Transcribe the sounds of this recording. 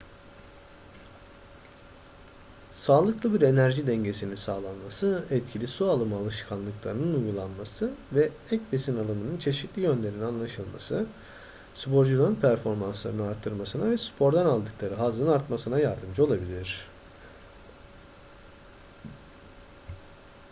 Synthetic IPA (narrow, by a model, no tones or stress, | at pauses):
saːlˠɯklˠɯbiɾe̞næɾʒid̪ɛɲɟe̞sininsaːlˠanmasɯɛt̪cʰilʲisualˠɯmalˠɯʃkʰanlˠɯklˠa̰ɾɯnɯnujɡulˠanmasɯvɛ | ɛcbesinalˠanɯnɯnt͡ʃʰe̞ʃit̪lʲijø̞nlʲe̞ɾinanlˠaʃɯlˠma̰sɯ | spʰo̞ɾd͡ʒulˠaɾɯnpʰæɾfo̞ɾmanslˠaɾɯnɯaɾt̪ʰːɯɾmasɯnavɛspʰo̞ɾd̪analˠd̪ɯklˠaɾɯɦazɯnaɾt̪masɯnajaɾd̪ɯmd͡ʒɯo̞lˠabilʲiɾ̝̥